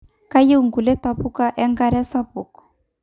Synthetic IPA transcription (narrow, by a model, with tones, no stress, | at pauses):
ka˦je˦u˨ŋɡu˨lɛ˦ta˨pu˦ka˦ʔɛ˦ŋɡa˦ɾɛ˦sa˦pu˨kɔ̥˨